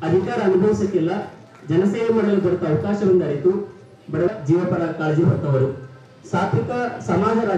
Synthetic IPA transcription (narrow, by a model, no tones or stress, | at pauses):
ɐd̪ʱikaːɾɐːnubʱɐʋisɐk̪ːilːɐ | d͡ʒɐnɐsɛːʋɐmɐɽɐɐlːubɐɽut̪ːɐːʋɐkaːʃɐʋɐnd̪ɐɽit̪u | bɐɽɐʋɐd͡ʒiːʋɐpɐɾakaːld͡ʒibɐɾt̪ːɐʋɐɾu | saːt̪ɾikɐsɐmaːd͡ʒʱɐɾaː